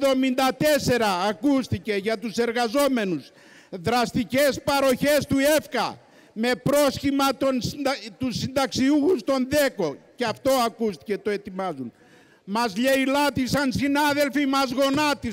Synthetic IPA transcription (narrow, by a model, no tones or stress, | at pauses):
ðo̞mind̪ɐt̪e̞se̞ɾɐːkust̪ice̞ʝɐt̪use̞ɾɣɐzo̞me̞nuz | ðɾɐst̪ice̞spɐɾo̞çe̞st̪uefkɐ̰ | me̞pɾo̞sçimɐt̪ont̪usind̪ɐksiuxust̪o̞nðe̞ko̞ceɐft̪o̞ɐkust̪i̥ce̞t̪o̞e̞t̪imɐzun | mɐzʎeilɐt̪isɐnsinɐðe̞lfimɐzɣo̞nɐt̪i